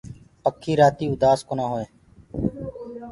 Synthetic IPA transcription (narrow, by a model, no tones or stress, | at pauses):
pəkʰːiːɾaːt̪iːʊd̪aːskoːnãːɦoːẽː